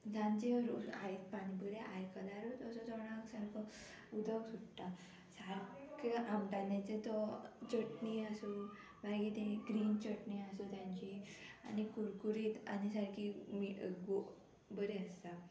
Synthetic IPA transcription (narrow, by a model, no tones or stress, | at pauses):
d͡zʱãnt͡ɕeɾuait̪panibəɾeʔajkəlaɾut̪əsɔd͡zɔɽ̃aksaɾkʰɔ | ud̪ʱawsuʈʈa | saɾkiamʈanãt͡sẽt̪ɔt͡ɕəʈniaso | baɡit̪ẽɡɾiːnt͡ɕəʈniasot̪jãɲt͡ɕia̰nikuɾkuɾiːt̪a̰nisaɾkimiʔəɡo | bəɾeəst̪a